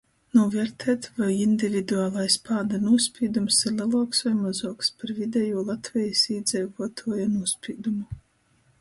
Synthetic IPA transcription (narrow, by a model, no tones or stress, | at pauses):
nuɔvɛɾt̪ʰɛːt̪vajind̪ʲivʲid̪uaːlˠajspaːd̪anuɔsʲpʲiːd̪umsiɾlʲˠɛlˠuɔksvajmazuɔkspaɾvʲid̪ʲɛjuɔlˠat̪vʲɛjisiːd̪zɛjvuɔt̪ʰuɔjanuɔspʲiːd̪umu